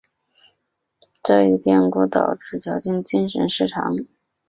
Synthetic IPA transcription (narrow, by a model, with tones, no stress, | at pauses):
ʈ͡ʂɤ˥˧i˥˩pjɛ˥˧nku˥˩t̪ɑ˨˩ʊʈ͡ʂɻ̩˨˩t͡ɕʰjɑ˧˥ʊt͡ɕi˥˩nt͡ɕi˥nʂə̰˧˥nʂɻ̩˥˩ʈ͡ʂʰɑ̰˧˥˦ŋ